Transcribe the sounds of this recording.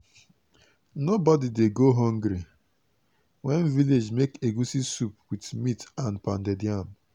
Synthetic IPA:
nobɔdideɡoɦɔ̃ŋɡɾi | wɛnviled͡ʒmekeɡusisupwitmitãnpãndediam

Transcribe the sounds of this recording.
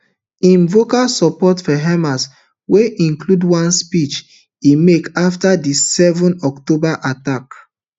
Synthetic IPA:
ĩnvokalsɔpɔtfɔɦɛmas | weʔĩŋkludwãnspit͡ʃ | imekaftadisɛvɔ̃nɔktobaʔatak

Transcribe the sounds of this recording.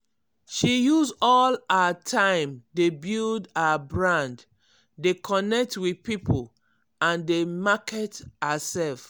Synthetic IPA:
ʃijuzɔlaatʰãɪ̃mdebildabɹãnd | dekʰɔnɛk̚twipipʰol | ãndemakɛtəsɛlf

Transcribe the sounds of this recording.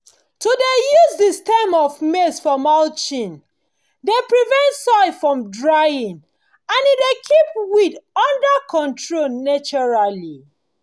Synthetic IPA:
todejuzdistamɔvmesfɔmalt͡ʃĩn | depɹivɛ̃ntsɔɪfɹɔ̃mdɹaĩŋ | ãnidekʰip̚widɔ̃ndəkʰɔ̃ntɹonat͡ʃɔɹali

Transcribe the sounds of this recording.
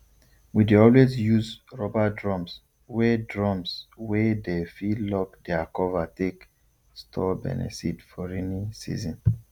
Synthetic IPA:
wideɔlwesjuzɹɔbadɹɔ̃ms | wɛdɹɔ̃mswɛdefilɔkdɛakɔvatek | stʰɔbɛ̰nɛ̰sḭtfɔɹɛnisḭzɔ̃n

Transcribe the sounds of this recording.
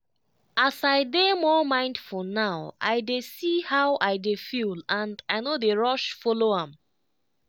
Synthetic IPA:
asaɪdemɔmãɪ̃ndfɔnaʊʔa̰ɪdesihawʔaɪdefilãndaɪnodeɹɔʃfɔloãm

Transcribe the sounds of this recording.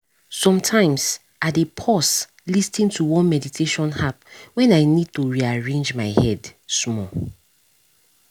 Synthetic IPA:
sɔ̃mtʰãɪ̃ms | ʔadepʰɔs | listĩntʰuwɔ̃nmɛditʰeʃɔ̃nhapwɛ̃naɪnid̚tuɹiaɹẽnd͡ʒmaɪhɛdsmɔ

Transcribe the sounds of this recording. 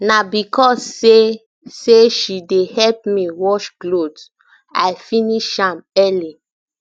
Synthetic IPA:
nabikʰɔsːe | seʃidehɛlpmiwɔʃklod | ajfĩniʃãmɛli

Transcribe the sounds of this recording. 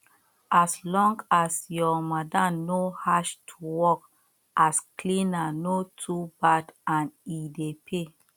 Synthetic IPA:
ʔaslɔ̃ŋɡasjɔmadanohaʃtʰuwɔk | ʔasklĩnanotʰubadãnidepʰe

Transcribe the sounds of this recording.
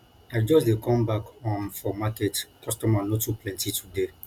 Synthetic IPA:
aɪd͡ʒɔsdekʰɔ̃mbakɔ̃nfɔmaketkʰɔstɔmanɔtːuplɛ̃ntitʰude

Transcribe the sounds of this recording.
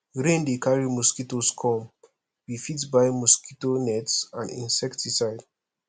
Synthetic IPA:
ɹẽndekaɹimuskitoskʰɔ̃m | wifitbaɪmuskitonɛtsãndḭ̃nsɛktisaɪd̥

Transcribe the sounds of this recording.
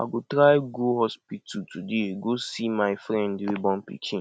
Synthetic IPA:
a̰ɡotɾaɪɡoɦɔspitʰutʰudeɡosimaɪfɾɛ̃ndɪwibɔ̃n̩pḭkĩn

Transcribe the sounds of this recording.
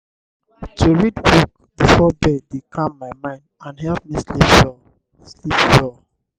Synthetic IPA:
tʰuɹidwɔk̚ | bifɔbɛdːekʰãmːaɪmãɪ̃ndãnɦɛlp̚mislipjɔ | slipjɔ

